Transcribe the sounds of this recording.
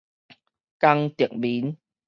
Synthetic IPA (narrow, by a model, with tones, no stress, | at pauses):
ka˧ŋt̪i˨˩ək̚bi˨˦n